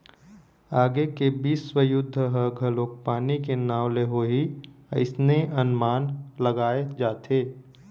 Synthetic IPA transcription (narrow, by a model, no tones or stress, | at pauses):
aːɡekebiːsːwəjʊd̪ʱːəɦəɡʱəloːk̚paːnikenaːʋleɦoːɦiəɪsneʔɐnmaːnləɡaːed͡ʒaːt̪ʰeː